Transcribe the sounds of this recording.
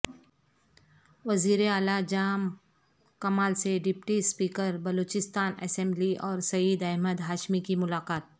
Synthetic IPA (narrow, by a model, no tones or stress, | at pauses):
ʋɐziːɾeaːlad͡ʒaːm | kɐmaːlseɖɪpʈispiːkəɾbɐloːt͡ʃɪst̪aːnɛ̰sẽmbliʔɔːɾsɐjiːd̪ɛɦməd̪ɦaːʃmikimʊlaːqaːt̪̚